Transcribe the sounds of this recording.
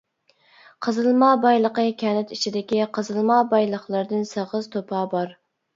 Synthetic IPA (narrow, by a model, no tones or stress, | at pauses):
qʰəzɨlˠmɑːbɑjlˠəqəkʲʰɛnɪt̪it͡ʃʰid̪ɪkʲiqʰəzɨlˠmɑːbɑjlˠəχlˠəɾd̪ɨnsəʁəzt̪ʰopʰɑːbɑɾ